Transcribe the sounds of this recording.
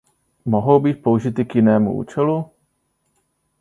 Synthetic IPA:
moɦo̞wbiːt̪̚pouʒɪt̪ɪkjɪnɛːmṵʔṵːt͡ʃɛlu

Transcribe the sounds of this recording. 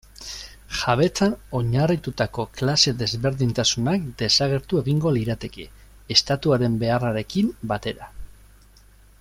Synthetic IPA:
ʝaβ̞e̞t͡sano̞ɲarit̪ut̪ako̞klase̞ðe̞zβe̞ɾðint̪asunakd̪e̞saɣ̞e̞ɾt̪ue̞ɣ̞iŋɡo̞liɾat̪e̞ke̞ː | st̪at̪uaɾe̞mbe̞araɾe̞kimbat̪e̞ɾa

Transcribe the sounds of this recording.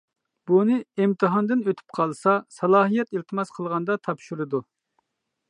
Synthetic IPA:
bunɨimt̪ʰɨɦɑnd̪ɨnøt̪ʰy̥p̚qʰɑlˠsɑsɑlˠɑːɦijɛt̪ilˠt̪ʰɨmɑsqʰəlˠʁɑnd̪ɑt̪ʰɑpʃuɾɨd̪u

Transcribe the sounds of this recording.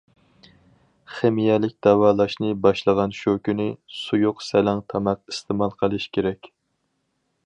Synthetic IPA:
χemijɛlɪk̚ʲd̪ɛwɑːlˠɑʃnɨbɑʃlˠəʁɑnʃokʲynɪsujuqsɛlæŋt̪ʰɑmɑq̚ist̪ʰɨmɑlˠqʰəlˠɨʃkʲʰeɾɛkʲ

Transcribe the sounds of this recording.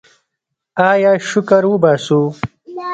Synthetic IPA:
aːjaːʃʊkɐɾwubaːsu

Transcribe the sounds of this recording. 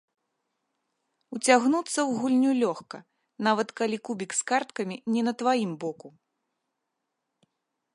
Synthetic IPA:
ut͡sʲaɣnut̪sːɐwɣulʲnʲulʲɔxkɐ | navɐt̪kalʲikubʲikskart̪kɐmʲinʲɛnɐt̪vajimbɔku

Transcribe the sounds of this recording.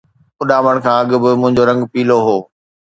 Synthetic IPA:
ʊɗaːʋəɽ̃kʰãːɐɠʊ̆bɪmʊ̃ɦɪ̃ɲd͡ʑoɾɐ̃ŋɡpiːloɦoː

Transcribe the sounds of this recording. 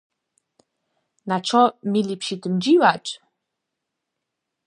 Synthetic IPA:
naʈ͡ʂʰɔmilipʃitʰɨmd͡ʒiwat͡ʃʼ

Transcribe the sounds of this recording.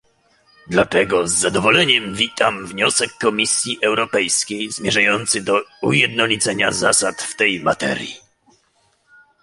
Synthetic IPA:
d̪lat̪ɛɡɔzːad̪ɔvɔlɛɲɛmvʲit̪amvɲɔsɛkːɔmʲisʲjiʔɛwɾɔpɛjskʲejzmʲjɛʐajɔnt̪sɘd̪ɔujɛd̪nɔlʲit̪sɛɲazasat̪ft̪ɛjma̰t̪ɛ̰ɾjḭ

